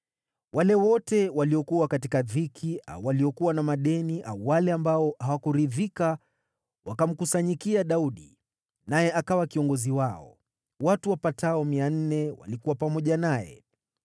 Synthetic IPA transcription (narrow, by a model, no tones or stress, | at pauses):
walɛwɔtɛwaliɔkuwakatikaðikʰia̰uwaliɔkuwanamaɗɛniʔa̰uwalɛambaɔhawakuɾiðika | wakam̩kusaɲikiaɗauɗḭ | najɛʔakawakiɔŋɡɔziwaɔ̰ | watuwapatʰaɔmian̩nɛwa̰likuwapamɔʄanajɛ̰